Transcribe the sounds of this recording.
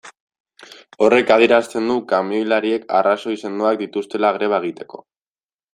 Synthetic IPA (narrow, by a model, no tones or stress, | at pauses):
o̞re̞kaðieɾast̪e̞nd̪ukamiojlaɾie̞ka̰raso̞ise̞nd̪oak̚d̪it̪ust̪e̞laɣɾe̞β̞aeɣ̞it̪e̞̥ko̞̥̰